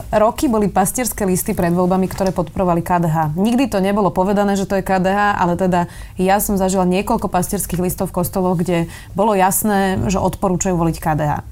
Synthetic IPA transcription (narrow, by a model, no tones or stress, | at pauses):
ɾɔkibɔlipascɪɛɾskɛlist̪ipɾɛd̪ʋɔlbamikt̪ɔɾɛːpɔt̪̚pɔɾɔʋalikaːd̪ɛɦaːɲiɡd̪it̪ɔɲɛbɔlɔpɔʋɛd̪anɛːʒɛt̪ɔjɛkaːd̪ɛɦaːʔa̰lɛt̪ɛd̪a | jasɔmzaʒilaɲɪɛkɔlkɔpasciɛɾskiːɣlist̪ɔʊfkɔst̪ɔlɔɣɡɟɛ | bɔlɔjasnɛːʒɛʔɔt̪pɔɾuːt͡ʃajuːʋɔlickaːd̪ɛɦa̰ː